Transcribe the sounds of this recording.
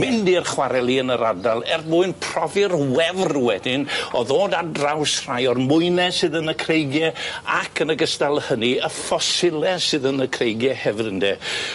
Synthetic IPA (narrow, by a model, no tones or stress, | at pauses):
mɪndiərχwaɾɛlˠiənəɾadalˠɛrbʊːɨnpʰr̥ɔvɨrwɛvrwɛdɪnɔðoːdadrawsr̥ajɔrmʊɨnɛsɨðənəkʰrejɡjɛakʰənəɡəstalˠhəniəfɔsɪlˠɛsɨðənəkʰrejɡjɛhɛvɨɾəndɛ